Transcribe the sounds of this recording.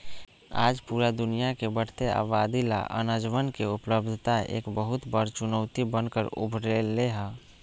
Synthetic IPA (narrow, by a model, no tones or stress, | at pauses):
a̰ːd͡ʒpuːɾad̪ʊnijakebəɽ̤t̪ea̰ːʋaːd̪ila̰ʔə̰nəd͡ʒʋənkeʊpləbd̪ʱt̪aḛːkbəɦʊt̪bəɾt͡ʃʊnəʊt̪ibənkəɾʊ̰bʱɾelːeɦɛ̃ː